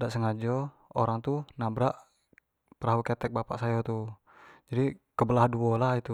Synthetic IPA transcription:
daʔsəŋad͡ʒɔ | oɾaŋt̪unabɾaʔ | pəɾaɦukɛt̪ɛk̚bapaʔsajɔt̪u | d͡ʒadikəbəlahduɔlahit̪u

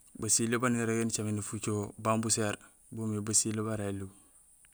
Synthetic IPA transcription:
basilebaniɾaɡent͡ʃaminifut͡ʃobambuseɾ | bumibasilebaɾailu

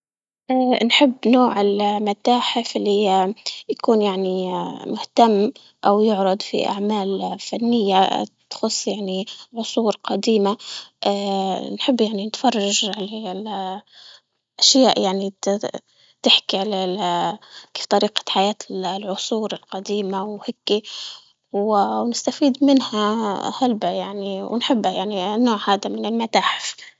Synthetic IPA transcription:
ʔanħɪbːnoːʕɪlmat̪aːħɪfɪlːijakuːnjaʕnimʊht̪amː | ʔawjʊʕɾˤɑd̪ˤfḭʔa̰ʕmaːlfanːɪjːat̪xʊsˤːjaʕniʕʊsˤuːɾqɑd̪iːmaʔanħɪbːjaʕninɪt̪fɑrˤːɑʒʕalal | ʔaʃjaːʔjaʕni | t̪ɪħkiʕala | keːft̪ˤɑɾiːqḁħajaːt̪lʕʊsˤuːɾɪlqɑd̪iːmawhɪkːi | wwnɪst̪afiːd̪mɪnhahalbajaʕniwnħɪbːajaʕninːoːʕhaːd̪amɪnɪlmat̪aːħɪf

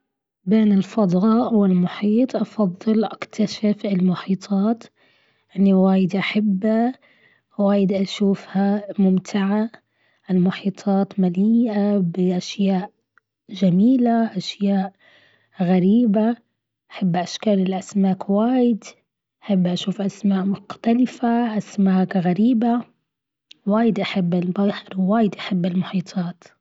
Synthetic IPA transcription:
beːnɪlfɑd̪ˤɾɑːʔwɪlmʊħiːt̪ˤʔɑfɑðˤːɨlʔakt̪ʰaʃɪfɪlmʊħiːt̪ˤʰɑːt̪ | ʔɪnːiwaːjɪd̪ʔaħabː | waːjɪd̪ʔaʃuːfhamʊmt̪ʰɪʕa | ʔalmʊħiːt̪ˤʰɑːt̪maliːʔabɪʔaʃjaːʔ | ʒamiːlaʔaʃjaːʔ | ɣaɾiːba | ʔʔaħabːʔaʃkaːlɪlʔasmaːkwaːjɪd̪ | ʔaħɪbːʔaʃuːfʔasmaːʔmʊqt̪alɪfaʔasmaːkɣaɾiːba | waːjɪd̪ʔaħɪbːɪlbaħɪɾwaːjɪd̪ʔaħɪbːɪlmʊħiːt̪ˤʰɑːt̪

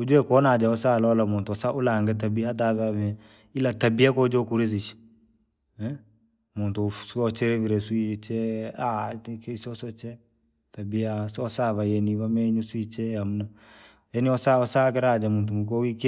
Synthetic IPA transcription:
ud͡ʒuɛkɔnad͡ʒaɔsalɔlamʊntɔsaʔʊlaŋɡɛt̬abiat̬aβɛaβɛ | ilatabiakɔd͡ʒɔkuɾes̬ɪt͡ʃ | ɛ | mʊntɔsuɔt͡ʃɛɾɛβɪɾɛswit͡ʃɛakɛsɔsɔt͡ʃɛ | tabiasɔsaβajɛniβamɛɲuswit͡ʃɛamna | jɛniɔsaɔsakɛɾad͡ʒɛmut̬umuk̬ɔwike

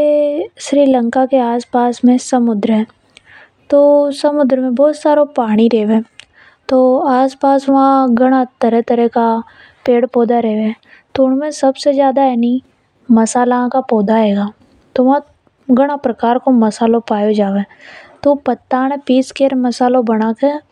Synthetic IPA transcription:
eʃɾiːlə̃ŋkakeaːspaːsmẽsɐmʊd̪ɾəɦɛː | t̪oːsɐmʊd̪ɾəmẽbɔːt̪saːɾopaːɽ̃iɾeɦʋẽː | t̪oːaːspaːsʋɐɦãɡɐɽ̃at̪ɐɾɛt̪ɐɾɛka | peːɽpɔːd̪aɾɛɦʋe | t̪oʊɽmẽsɐbsezjaːd̪ajaːni | mɐsaːlãkapɔːd̪aɦeːɡaː | t̪oʋɦã | ɡɐɽ̃apɾɐkaːɾkomɐsaːlõpaːjod͡ʒaːʋẽt̪opɐt̪ːaːñẽpiːskeɾmɐsaːlobɐɽ̃aːkeɛ

